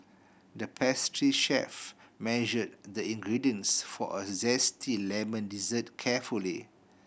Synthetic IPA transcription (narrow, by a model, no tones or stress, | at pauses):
dəpʰɛstɹiʃɛ̰fmɛʒəd̚dəĩŋɡɹidiə̃nsfɔ̰ʔəzɛstʰilɛmə̃ndizət̚kʰɛfuli